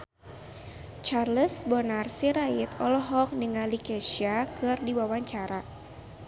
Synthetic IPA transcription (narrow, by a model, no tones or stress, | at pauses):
t͡ʃarləsbɔnarsiɾajit̪ɔlɔɦɔk̚niŋalikɛʃiakɨrdiwawaɲt͡ʃaɾa